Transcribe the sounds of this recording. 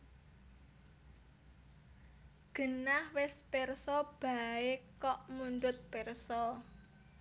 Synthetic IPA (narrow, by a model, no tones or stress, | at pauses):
ɡ̥ə̤nahwɪspɛrsɔb̥a̤ɪkɔʔmuɳɖʊt̪̚pɛrsɔ